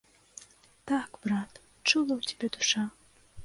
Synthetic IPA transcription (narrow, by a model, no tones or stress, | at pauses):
t̪akbɾat̪ | t͡ʂulˠɐwt͡sʲḁbʲɛd̪uʂa